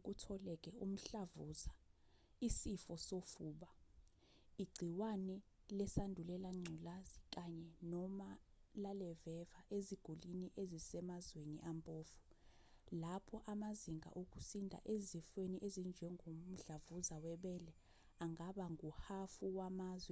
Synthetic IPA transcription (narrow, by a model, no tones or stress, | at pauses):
k̬ʼutʰɔlɛk̬ʼɛum̩ɬavuza | isifɔsofuːɓa | iɡ͡ǀʱiwanɛlɛsandʱulɛlaŋ͡ǀʱulazik̬ʼaɲɛnɔma | lalɛvɛvaʔeziɡ̥ʱoliniʔezisɛmazwenḭʔampʼoːfu̥ | lapʰɔʔamaziŋa̰ʔok̬usindʱa̰ʔezifweniʔezind͡ʒʱɛŋʱom̩ɬavuzawɛɓɛlɛ | aŋaɓaŋʱuhafuwamaːzwɛ